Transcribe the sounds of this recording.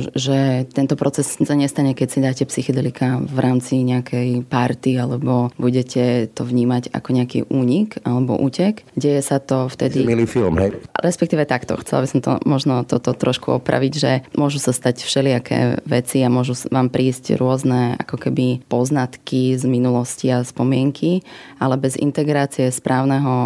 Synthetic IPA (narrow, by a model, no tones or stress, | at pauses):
ʒɛt̪ɛnt̪ɔpɾɔt͡sɛssaɲɛst̪aɲɛkɛcsid̪aːcɛpsixɔd̪ɛlikavɾʔaːmt͡siɲɛakʰɛjpaɾt̪ialɛbɔbuɟɛcʰɛt̪ɔʋɲiːmaɟa̰kɔɲɛakḭːʔuːɲikalɛbɔ̰ʔuːcɛkɟɛjɛsat̪ɔft̪ɛd̪imilifilmɦɛjɾɛspɛk̚t̪iːʋɛt̪akt̪ɔ̰xt͡sɛ̰la̰bisɔmt̪ɔ̰mɔʒnɔt̪ɔt̪ɔt̪ɾɔʃkuɔpɾa̰ʋiɟʒɛmʊɔʒusast̪acfʃɛlɪakʰɛ̰ːʋɛt͡siamʊɔʒuʋaːmpɾiːscɾʊɔznɛa̰kɔkɛbipɔznat̪kizminulɔsciaspɔmɪɛŋkʰiʔalɛbɛzḭnt̪ɛɡɾaːt͡siɛspɾʔaːʊnɛɦɔ